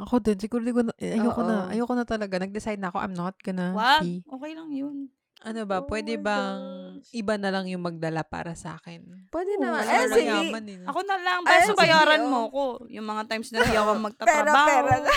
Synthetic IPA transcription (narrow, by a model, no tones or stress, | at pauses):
ʔɐkod̪onsɪɡuːɾd̪ɪkonɐjowkonɐʔɐ̰jowkonɐt̪ɐlɐɡanɐɡ̚d̪ɪsajd̪̚nɐɐko̞ʔɐ̰mnot̪̚kɐnawaʔoːkɛjlɐŋjon | ʔɐnobɐpwɛːd̪ɛbɐ | ʔɪbanɐlaŋjʊŋmɐɡ̚d̪ɐlapa̰ːɾɐsɐʔa̰ːkɪnpwɛːd̪ɛnɐɛsjamɐnɪnɐkonɐlaŋpasobɐjaːɾɐnmoɐkojʊŋmɐŋat̪ajmsnɐjakoŋmɐɡ̚t̪ɐpɛːɾɐɾoaːpɛɾo